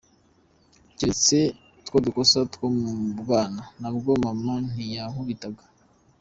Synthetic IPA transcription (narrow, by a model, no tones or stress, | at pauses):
ɟet͡se | tkodukosatkomuɡaːnanaβubɡomaman̥ijahuβitaɡḁ